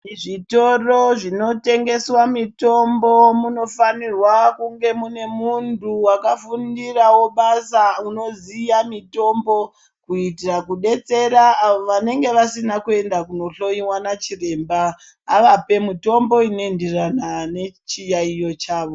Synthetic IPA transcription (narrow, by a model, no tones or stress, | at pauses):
ʐito̞roʐino̞te̞ŋɡe̞swamito̞mbo̞muno̞fanirwakuŋɡe̞mune̞muntuwakafundirawo̞ɓasauno̞zijamito̞mbo̞ | kuitirakuɗe̞t͡se̞ɾaːʋoʋane̞ŋɡe̞ʋasinakue̞ndakuno̞ɬo̞iwanat͡ʃire̞mbaː | ʋape̞muto̞mbo̞inoenderanane̞t͡ʃijaijo̞t͡ʃaːʋo̞